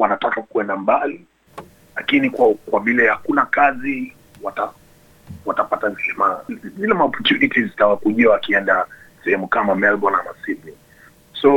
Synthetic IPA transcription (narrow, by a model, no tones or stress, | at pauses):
wanatakakuɛndambali | lakinikwakwavilɛhakunakazi | wata | watapatanɛmazilɛmaɔpɔɾtunitizitawakuʄiawakiɛndasɛhɛmukamamɛlbɔnamasibni | sɔ